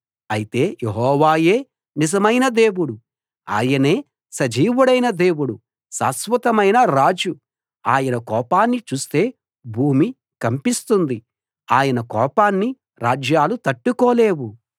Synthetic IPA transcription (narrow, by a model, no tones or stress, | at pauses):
ɐjit̪e̞ːjeɦɔːʋaːje̞ː | nizɐmɐjnɐd̪e̞ːwuɽu | a̰ːjɐne̞ː | sɐd͡ʒiːʋuɽɐjnɐd̪e̞ːwuɽu | sa̰ːsʋɐt̪ɐmɐjnɐɾaːd͡ʒu | aːjɐnɐkɔːpaːnːit͡ʃuːst̪e̞ː | bʱuːmi | kɐmpist̪und̪i | aːjɐnɐkɔːpaːnːi | ɾaːd͡ʒjaːlut̪ɐʈːukɔːle̞ːwu